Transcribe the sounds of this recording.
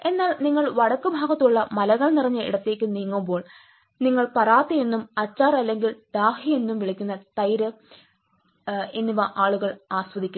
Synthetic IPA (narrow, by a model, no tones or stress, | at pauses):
e̞nːaːlniŋːɐɭʋɐɽɐkːɨbʱaːɣɐt̪ːuɭːɐmɐlɐɣɐɭnirɐɲːɐḭɽɐt̪ːe̞ːkʲːɨniːŋːumbo̞ːɭ | niŋːɐɭpɐraːt̪ːije̞nːumɐt͡ɕːaːrɐlːe̞ŋɡild̪̥aːhije̞nːumʋiɭikʲːunːɐt̪ɐjɾɨ | e̞nːiʋɐʔaːɭuɣɐɭaːswɐd̪ikʲː